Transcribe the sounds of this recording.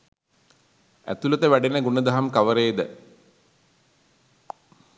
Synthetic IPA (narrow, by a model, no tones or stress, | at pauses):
æ̰t̪ulət̪əʋæɖenəɡunəd̪ɐɦamkaʋəɾeːd̪ə